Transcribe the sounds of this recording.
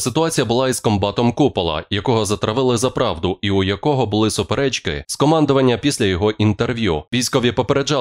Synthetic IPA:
sɪt̪ʊɑt͡sʲijɐbʊlˠɑizkɔmbɑt̪ɔmkupɔlˠɐ̰jɐkɔɦɔzɐt̪ɾɐʋɪlˠɪzɐpɾɑʋd̪ʊiujɐkɔɦɔbʊlˠɪsʊpeɾɛt͡ʃkɪ̰skɔmɑnd̪ʊʋɐnʲːɐpʲisʲlʲɐjɔɦɔʔint̪erʋʲjuʋʲijsʲkɔʋʲipɔpeɾed͡ʒɑ

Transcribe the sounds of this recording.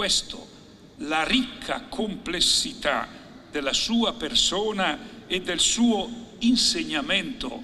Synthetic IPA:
wɛst̪o̰ | larikʰːa̰kʰomplesːit̪a̰ | d̪elasuːapersoːnaed̪ːelsuːoinseɲːamɛnt̪o̰

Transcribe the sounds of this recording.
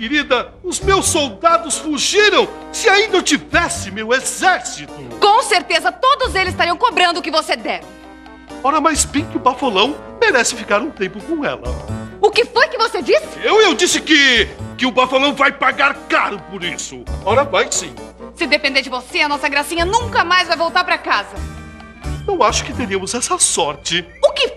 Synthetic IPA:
keɾid̪ɐ | ʊzmewsowd̪ad̪ʊsfuʒiɾɐ̃w̃ | sɪaĩnd̪ɐewt͡ʃivɛsɪmewezɛɾsit̪ʊkõw̃seɾt̪ezɐt̪od̪ʊzelɪzst̪aɾiɐ̃w̃kobɾɐ̃nd̪ʊkɪvosed̪ɛvɪ | ɔɾɐmajzbẽj̃kɪʊbafolɐ̃w̃ | meɾɛsɪfikaɾũt̪ẽmpʊkõw̃ɛ̰lɐ̰ʊkɪfojkɪvosed͡ʒisɪ̥ewewd͡ʒisɪkɪkɪʊpafolɐ̃w̃vajpaɡaɾkaɾʊpoɾisʊɔɾɐmajsḭ̃ | sɪd̪epẽnd̪eɾd͡ʒɪvoseɐnɔsɐɡɾasĩɲɐnũŋkɐmajzvajvowt̪aɾpɾɐkazɐ | ewaʃʊ̥kɪt̪eɾiɐmʊzɛsɐsɔɾt͡ʃɪ | ʊkɪ

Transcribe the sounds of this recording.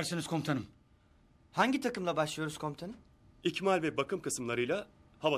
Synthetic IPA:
ɾsiniz̥kʰo̞mt̪ʰanɯm | haɲɟit̪ʰakɯmlˠabaʃlˠɯjo̞ɾuz̥kʰo̞mt̪ʰanɯm | icmalʲvɛbakʰɯmkʰɯsɯmlˠaɾɯjlˠahava

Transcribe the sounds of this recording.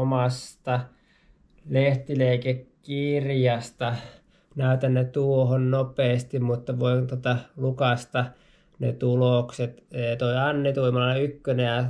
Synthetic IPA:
omɑst̪ɑ | leht̪ileikekkirjɑst̪ɑ | næˑyt̪ænːæt̪uohonnopˑeːst̪immut̪ːɑʋoint̪ot̪ɑlukɑst̪ɑ | nḛt̪ulokset̪eːt̪oiɑnːit̪uimɑlɑeykːønejɑ

